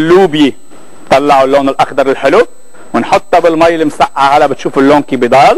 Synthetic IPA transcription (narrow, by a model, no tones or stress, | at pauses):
lːuːbji | t̪ˤɑlːɑʕulːoːnɪlʔɑxd̪ɑɾˤɪlħɪlu | wɪnħʊt̪ˤːɑbɪlmajːɪlɪmsaʔːahalːaʔbɪt̪ʃuːfɪlːoːnkibid̪ˤɑːl